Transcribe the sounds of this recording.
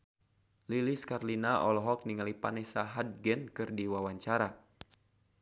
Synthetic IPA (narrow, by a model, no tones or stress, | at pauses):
liliskarlinaʔɔlɔɦɔk̚niŋalipanɛsaɦad̚ɡɛnkɨrdiwawaɲt͡ʃaɾa